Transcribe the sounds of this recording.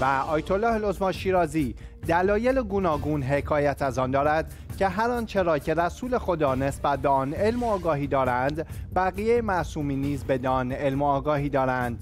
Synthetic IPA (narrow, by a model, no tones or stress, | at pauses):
væɒːjt̪ʰo̞lːɒːhelozmɒːnʃiːɾɒːziː | d̪ælɒːjeleɡonɒːɡuːnɦe̞kʰɒːjæt̪ʰæzɒːnd̪ɒːɾæd̪̥ | cʰe̞ɦæɾɒːnt͡ʃʰe̞ɾɒːcʰe̞ɾæsuːle̞xod̪ɒːne̞sbæt̪̚beɒːne̞lmoːɡɒːɦiːd̪ɒːɾænd̪bæɣijejemæʔsuːmiːniːzbe̞d̪ɒːnelmoɒːɡɒːɦiːd̪ɒːɾænd̪̥